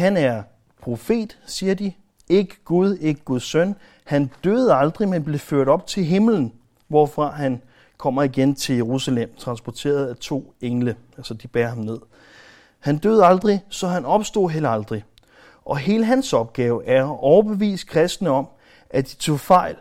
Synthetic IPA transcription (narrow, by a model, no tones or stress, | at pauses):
hænæɐ | pʰʁo̝fe̝̰ːd̥siːɐd̥i | e̝ɡ̥əɡ̥uðˠe̝ɡ̥əɡ̥uðˠsøn | hænd̥øːð̞ˠɑ̈ld̥ʁimenb̥le̝føɐ̰ɾ̥ɒ̽b̥̚t͡sʰe̝lɦe̝mln̩ | ʋɒ̰fʁɑ̈ɦæn | kʰɒ̽m̰ɐiɡ̥ent͡sʰe̝ljeʁusælem̰t͡sʰʁɑ̈nsb̥ɒt͡sʰe̝̰ːɐð̞̩ˠæt͡sʰo̝̰ːeŋlə | ælsɐd̥ib̥ɛːɐhɑ̈mne̝ð̞̰ˠ | hænd̥øːð̞̩ˠɑ̈ld̥ʁisɒ̽ɦænɒ̽b̥sd̥o̝̰ːɦelɑ̈ld̥ʁi | ʔɒ̽ɦe̝ːləɦænsɒ̽b̥̚ɡ̥ɛːʊʔæɐʔɒʊɐb̥e̝ʋḭːsd̥kʰʁɛsd̥nəɒ̽m | ʔæd̥it͡sʰo̝̰fɑ̈ɪ̰l